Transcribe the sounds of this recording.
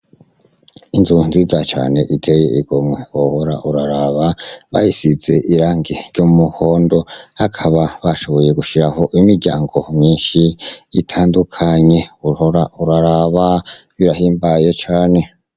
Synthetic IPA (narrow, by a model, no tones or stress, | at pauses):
inzunzizat͡ʃa̰ːne̞ʔitʰe̞jḛʔiɡ̥omŋe̞wohoɾa̰ʔuɾaɾaβaβa̰jisize̞ʔiɾaːŋɡiɾɟomuho̞ːndo̞hakʰaβaβaʃo̞βo̞je̞ɡuʃiɾaho̞ʔimiɾɟaːŋɡo̞mɲiːnʃiitʰaːndukʰaɲe̞uhoɾauɾaɾaβaβiɾahiːmbaje̞t͡ʃaːne̞